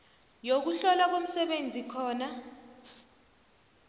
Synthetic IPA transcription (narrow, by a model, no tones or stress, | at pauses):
jok̬uɬɔlak̬om̩sɛɓend͡zʱikʰɔːna